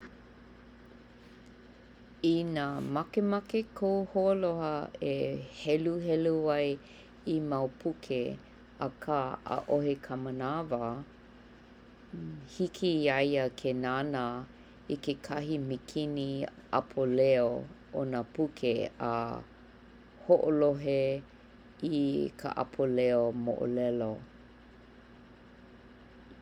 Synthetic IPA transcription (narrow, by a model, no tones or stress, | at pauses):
inamɐkemɐkekʰowholohɐehɛluhɛluɐj | imawpʰukʰe | ɐ̰kʰaə̰ʔoɦekʰəmənavɐ | hikʰiɐjəkʰenanə | ikekʰɐɦimikʰiniʔa̰pʰolɛeoo̰nəpukʰeə̰ | hoʔoloɦe | ikʰə̰ʔa̰pʰoleomo̰ʔo̰lɛlo